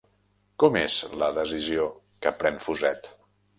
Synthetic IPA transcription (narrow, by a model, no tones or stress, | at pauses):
kɔmezləðəzizio | kəpɾɛnfuzɛt̪